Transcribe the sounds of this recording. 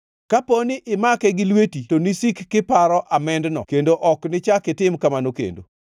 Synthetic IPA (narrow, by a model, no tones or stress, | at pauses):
kaponɪʔɪmakɛɡɪlwetitonisikːɪpaɾɔʔamɛndnɔ̰kendoʔɔknɪt͡ʃakɪtɪmkamanokḛndo̰